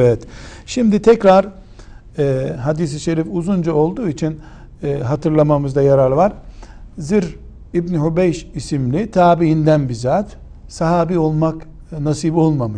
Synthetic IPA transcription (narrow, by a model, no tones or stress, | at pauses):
evɛt̪ʃimd̪it̪ʰɛcɾaɾ | ɛɦad̪isiʃeɾifuzund͡ʒao̞lˠd̪uːit͡ʃʰinː | ɦat̪ʰɯɾlˠamamɯzd̪ajaɾaɾvaɾziɾ | ibniɦubɛjʃisimlʲit̪ʰaːbiɦind̪ænbizaːt̪ | saɦaːbiːo̞lˠmak | nasiːbo̞lˠmamɯʃ